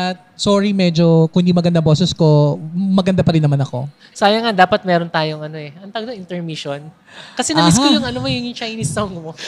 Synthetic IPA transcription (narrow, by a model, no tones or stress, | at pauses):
ʔɐt̪̚soːɹimɛd͡ʒo̞kʊɪnd̪imɐɡɐnd̪ɐboːsɛsko̞mɐɡɐnd̪apɐɾɪnːɐmanɐko̞̰ | saːjɐŋad̪aːpɐt̪̚mɛːɾont̪aːjoŋɐno̞ɛʔɐnt̪ɐɡ̚nɐʔɪnt̪ɛɹmiʃon | kɐsɛnɐbɪɦkojʊŋʔɐnomojʊŋjʊŋt͡ʃajnisːowŋɡmo